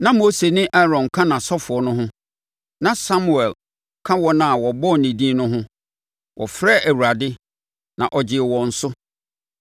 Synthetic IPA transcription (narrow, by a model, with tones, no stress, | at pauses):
nã˦mo˦se˨nɪ̃˦ʔa˦ɾɔ̃˨nkʰã˦nã˨sɔ˦fʊ˨ɔ˨nʊ̃˦ɦʊ̃˦ | nã˨sa˦mu˨ɛ˨l | kʰã˦wɔ˦nã˦˨wɔ˨bɔ˦˨nĩ˨dĩ˦nʊ̃˦ɦʊ̃˦ | wʔɔ̰˨fɾɛ˦˨ʔæ˨wu˨ɾa˨dɪ˦ | nã˨ʔɔ˨d͡ʑɪ˨ɛ˨wɔ̃˨n̩˨sʊ˦